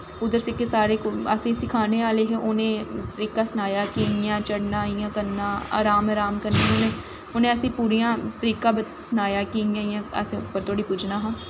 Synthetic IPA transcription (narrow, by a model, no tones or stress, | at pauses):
ʊd̪əɾsɪkːesaːɾeːkoə̰sĩːsɪkʰaːneːʋaːleːɦeːʔʊnẽːt̪əɾiːkaːsənaːjaːkiːnɪjãːt͡ʃəɽnaːijãːkəɾnːãːa̰ːɾaːmaːɾaːmkəɾnaːɦʊnẽː | ʊnẽːəsĩːpuːɾijãːt̪əɾiːkãːbəsnaːjaːkiːjãːjãːə̰spəɾt̪ʰoːɽiːpʊd͡ʒnaːɦãː